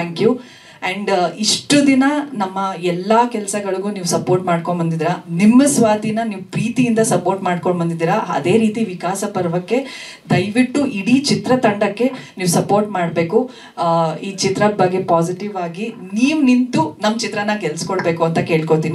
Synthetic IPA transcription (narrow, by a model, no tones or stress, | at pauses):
t̪ʰaːŋkju | ɐɳɖiʂʈud̪inɐnɐmːɐɛlːɐkɛlɐsɐɡɐɭiɡuːniːʋusɐpo̞ːɾʈmaːɖkoɳbɐnd̪id̪iːɾɐnimːɐsʋaːt̪inɐniːʋupɾiːt̪ijind̪ɐsɐpoːɾʈmaːɖkoɳbɐnd̪id̪iːɾɐɐ̰d̪e̞ːɾiːt̪iʋikaːsɐpɐɾʋɐkːe̞ | d̪ɐjʋiʈːuʔiɽiːt͡ʃit̪ɾɐt̪ɐɳɖɐkːe̞niːʋusɐpoːɾʈmaːɽbe̞ːku | iːt͡ʃit̪ɾɐbɐɡːe̞paːsiʈiʋaːɡiniːʋunint̪unɐmːɐt͡ʃit̪ɾɐnːɐkɛlskoɭbe̞ːkuɐnt̪ɐke̞ːɭkot̪iːni